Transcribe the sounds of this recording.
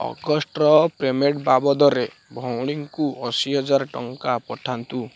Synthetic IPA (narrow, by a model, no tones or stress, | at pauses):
ɔ̰ɡɔsʈɾɔpɾemeʈbabɔd̪ɔɾe | bʱɔwɽ̃iŋkuɔsiɦɔd͡ʒaɾʈɔŋkapɔʈʰant̪u